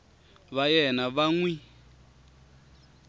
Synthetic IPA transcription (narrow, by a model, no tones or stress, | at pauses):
βajɛnaβaŋwi